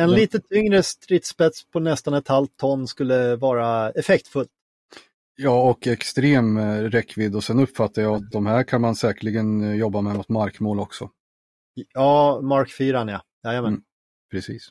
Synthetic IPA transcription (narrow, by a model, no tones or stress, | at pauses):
ɛnliːt̪ət̪ʰʏŋɾəst̪ɾɪt̪spɛt̪spʰɔnɛst̪anɛt̪ʰalt̪ʰːɔnːskɵlːəvɑːɾaɛfɛkt̪fɵlt̪ | jɑːɔkɛkst̪ɾeːmɾɛkːvɪd̪ːɔsɛnɵpːfat̪ːaɾjaat̪̚d̪ɔmhæːɾkʰanmansɛːkəɭɪɡənjɔbːamɛmʊt̪maɾkmoːlɔksɔ | jɑːmaɾkfyːɾanjajɑːjamɛːn | pʰɾɛsḭːs